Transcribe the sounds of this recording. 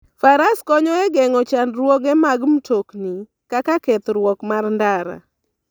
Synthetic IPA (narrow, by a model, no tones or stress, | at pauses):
faɾaskɔɲɔɛɡɛŋɔt͡ʃandɾwoɡɛmaɡm̩tokni | kakakɛt̪ɾwɔkmarndaɾa̰